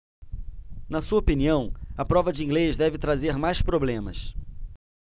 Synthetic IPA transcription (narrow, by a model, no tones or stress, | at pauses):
nɐsuɐopiniɐ̃w̃ɐpɾɔvɐd͡ʒɪĩɡlezd̪ɛvɪt̪ɾazeɾmajspɾoblẽmɐ̰s